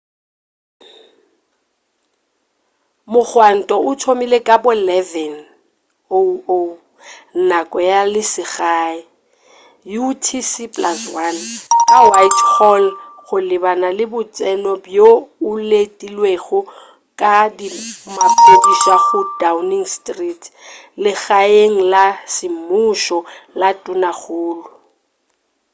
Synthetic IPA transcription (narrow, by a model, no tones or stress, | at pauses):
mʊk͡xwan̩tʼɔʊtʰomilekʼabʊlɛvɛn | oo | nnakʼɔjalɪsɪɣaːɪ | jutʰisipʼlaswankʼawajtʰhɔlɣʊlɪbanalɪbʊt͡sʼɛnɔbjoʊletʼilweɣʊ | kʼadimapʼediʃaɣʊdawniŋstʼritʰ | lɪɣaeŋ̩lasɪmʊʃɔlatʼʊnaɣʊːlʊ